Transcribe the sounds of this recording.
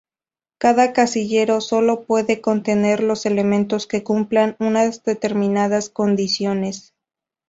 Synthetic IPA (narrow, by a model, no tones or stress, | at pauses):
kaðakasiʝe̞ɾo̞so̞lo̞pwe̞ðe̞ko̞nt̪e̞ne̞ɾlo̞se̞lemẽ̞nt̪o̞ske̞kumplanunazðe̞t̪e̞ɾmĩnað̞asko̞nd̪isjo̞ne̞s